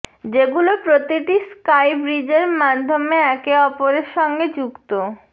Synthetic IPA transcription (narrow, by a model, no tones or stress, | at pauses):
d͡ʑeɡulopɾot̪iʈiskajbɾid͡ʑeɾmad̪ʱːomeɛkeɔpoɾeɾʃɔŋɡed͡ʑuɡt̪o